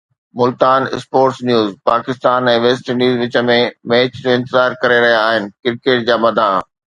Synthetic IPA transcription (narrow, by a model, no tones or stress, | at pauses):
mʊlt̪aːnɪspoːʈsnjuːzpaːkɪst̪aːnɛ̃ːʋeːsʈənjuːzʋɪt͡ɕə̆mẽmeːt͡ɕd͡ʑoɪ̃nt̪ɪzaːɾkɐɾeɾɐɦijaːɦɪnɪ̆kɪɾkeːʈ̚d͡ʑaːmɐd̪ʱa